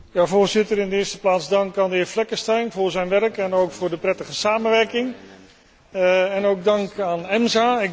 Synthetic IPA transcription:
javoːrzɪtəɾɪndəɪːstəplaːtzdɑŋkaːndɪːflɛkəstɛjnvʊːɹzɛjnʋɛrkɛnowkfʊːrdəprɛtəχəsaːmənʋɛrkɪŋ | ɛnowk̚dɑŋkaːnɛmzaɪ

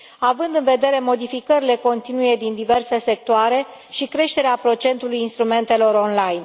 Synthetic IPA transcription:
avɨnd̪ɨnve̞d̪e̞ɾe̞mo̞d̪ifikəɾile̞ko̞nt̪inuje̞d̪ind̪ive̞rse̞se̞k̚t̪oaɾe̞ʃikɾe̞ʃt̪e̞ɾeapɾo̞t͡ʃe̞nt̪ulujinst̪ɾume̞nt̪e̞lo̞ɾo̞nlajn

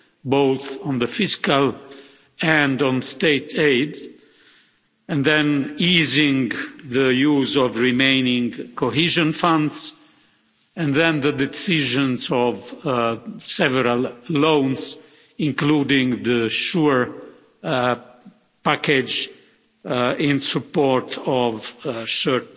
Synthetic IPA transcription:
bowθɔ̃nðəfiskal | ɛ̃ndɔ̃nst̪eɪt̪ʰeɪd | ɛ̃nðɛ̃niːzĩŋðəjuːzɔvɹimẽɪnĩŋkoɦiʒɔ̃nfʌ̃nds | ɛ̃nðɛ̃nðəd̪ɛsiʒə̃nzɔv | sɛvəɾalːõʊnz | ɪ̃ŋkludɪ̃ŋðəʃuɹ | pækɛd͡ʒ | ɪ̃nsupɔɾtʰɔvʃət̚

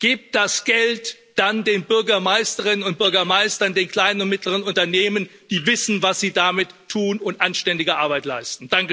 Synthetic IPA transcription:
ɡ̥iːp̚d̥asɡ̥ɛlt | d̥andeːnbʏɐɡɐmaɪstəʁɪnənʊnt̚b̥ʏɐɡɐmaɪstɐndeːnkʰl̥aɪnənʊntmɪtləʁ̞ənʊntɐneːmənd̥iːvɪsn̩vasz̥iːdamɪtʰːuːnʊntʔanʃtɛndɪɡəʔaɐbaɪtlaɪstn̩d̥aŋkə

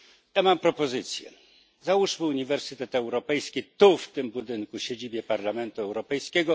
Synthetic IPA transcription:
jamampɾɔpɔzɘt̪sʲjɛ̰ | zauʂmɘuɲivɛɾsɘt̪ɛt̪ɛwɾɔpɛjskʲit̪uft̪ɘmbud̪ɘŋkuɕed͡ʑibʲjɛpaɾlamɛnt̪uɛwɾɔpɛjskʲɛɡɔ

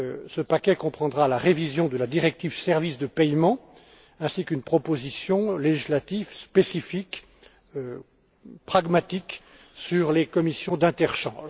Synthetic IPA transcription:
səpakʲɛkɔ̃pχɑ̃d̪ʁalaʁevizjɔ̃d̪əlad̪iʁɛk̚t̪ivsɛʁvisd̪əpɛjmɑ̃ | ɛ̃sikynpχɔpozisjɔ̃leʒislat̪ivspesifik | pχaɡmat̪ik | syʁlekɔmisjɔ̃d̪ɛ̃t̪ɛʁʃɑ̰̃ʒ

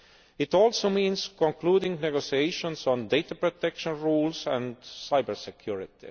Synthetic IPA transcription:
ɪt̪oːlsomĩːnskõnkluːdɪ̃ŋɡneɡosiejʃõnsõnd̪ejt̪apɹot̪ekʃõnɹuːlsæ̃nd̪saɪbəɹsekʰjuɹɪt̪ḭ

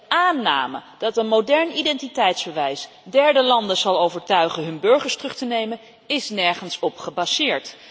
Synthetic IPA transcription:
aːnːa̰ːmə̰d̥ɑtənmowdɛɹnidɛntitɛjtzbəʋɛjs | dɛɹdəlɑndəz̥ɑlˠowvəɹtœɥχəɦɵnbɵɹχəɹstrɵχtənejmən | ɪsnɛɹχənsɔpχəbasɪːɹt

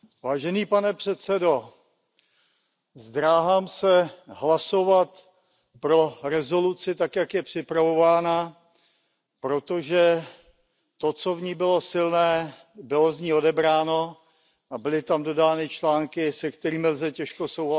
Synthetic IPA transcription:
vaːʒɛniːpanɛpr̝̥ɛt̪t͡sɛdo̞ | zd̪ɾaːɦaːmsɛɦlaso̞vat̪ | pɾoɾɛzo̞lut͡sɪt̪akjakjɛpr̝̥ɪpɾavo̞vaːna | pɾo̞t̪o̞ʒɛ | t̪o̞t͡so̞vɲiːbɪlo̞sɪlnɛː | bɪlozɲiːo̞dɛbɾaːno̞ | ʔabɪlɪt̪amdo̞daːnɪt͡ʃlaːŋkɪsɛkt̪ɛɾiːmɪlzɛcɛʃko̞sowɦa

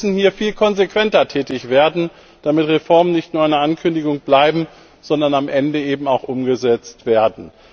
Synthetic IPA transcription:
sn̩hiːɐfiːlkʰɔnzekv̥ɛntɐtʰɛːtɪçv̥eːɐdn̩ | d̥amɪtʁefɔɐmənɪçtnuːɐaɪnɐankʰʏndɪɡʊŋb̥laɪbm̩ | z̥ɔndɐnamʔɛndəeːbm̩aʊxʔʊmɡəzɛt͡stv̥eːɐdn̩

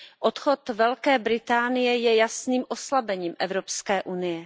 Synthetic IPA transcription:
ʔot̪xo̞t̪vɛlkɛːbɾɪt̪aːnɪjɛjɛjasniːmʔo̞slabɛɲiːmʔɛvɾopskɛːʔunɪjɛ

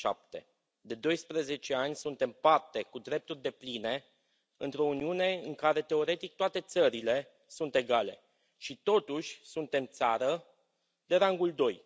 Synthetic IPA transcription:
ʃa̰p̚t̪e̞̰ | d̪e̞d̪o̞jspɾeze̞t͡ʃe̞anʲsunt̪e̞mpart̪e̞kud̪ɾe̞p̚t̪urʲd̪e̞pline̞ | ɨ̰nt̪ɾo̞uniune̞ɨŋkaɾe̞t̪e̞o̞ɾe̞t̪ik̚t̪oat̪e̞t̪səɾile̞ | sunt̪e̞ɡale̞ | ʃit̪o̞t̪uʃʲsunt̪e̞mt̪saɾə | d̪e̞ɾaŋɡuld̪o̞j

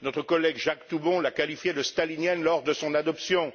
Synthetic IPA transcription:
nɔt̪χəkɔlɛɡʒakt̪ubɔ̃lakalifjed̪əst̪alinjɛnlɔʁd̪əsɔ̃nad̪ɔpsjɔ̃

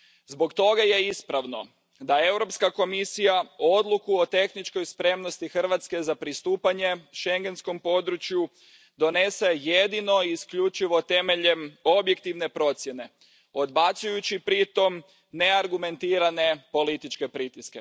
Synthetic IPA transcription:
zbo̞kt̪o̞ɡaje̞ispɾaʋno̞̰ | d̪ae̞wɾo̞pskako̞misijao̞d̪lˠukuot̪e̞xnit͡ʃko̞jspɾe̞mno̞st̪ixr̩ʋat̪ske̞zapɾist̪uːpaɲe̞ʃe̞ŋɡe̞nsko̞mpo̞d̪ɾut͡ʃju | d̪o̞ne̞se̞jed̪ino̞iskʎut͡ʃiʋo̞t̪e̞me̞ʎe̞mo̞bjek̚t̪iʋne̞pɾo̞t̪sje̞ne̞ | o̞d̪basujut͡ɕipɾit̪o̞m | ne̞aɾɡume̞nt̪iːɾane̞po̞lit̪it͡ʃke̞pɾit̪iske̞

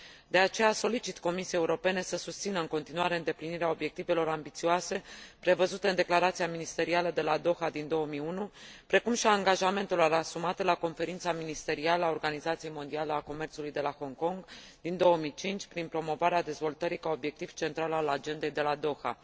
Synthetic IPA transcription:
d̪e̞at͡ʃe̞jaso̞lit͡ʃit̪ko̞misijejeuɾo̞pe̞ne̞səsust̪sinəɨŋko̞nt̪inuaɾe̞ɨnd̪e̞pliniɾeao̞bje̞k̚t̪ive̞lo̞ɾambit̪sioase̞pɾe̞vəzut̪eɨnd̪e̞klaɾat̪sijaminist̪e̞ɾialəd̪e̞lad̪o̞xad̪ind̪o̞wəmiunupɾe̞kumʃiaŋɡaʒame̞nt̪ulaɾasumat̪əlako̞nfe̞ɾint̪saminist̪e̞ɾialəao̞rɡanizat̪sije̞jmo̞nd̪ialeako̞me̞rtsulujd̪e̞laho̞ŋko̞ŋɡd̪ind̪o̞wəmijt͡ʃint͡ʃʲpɾinpɾo̞mo̞vaɾead̪e̞zvo̞lt̪əɾikao̞bje̞k̚t̪iv̥t͡ʃe̞nt̪ɾalalad͡ʒe̞nd̪e̞jd̪e̞lad̪o̞xa̰

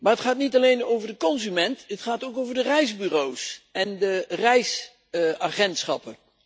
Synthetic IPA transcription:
maːɹətχaːtnitɑlejnowvəɹdəkɔnzymɛntɦətχaːtowkowvəɹdərɛjzbyrowsɛndərɛjs | aχɛntsχɑ̰pən

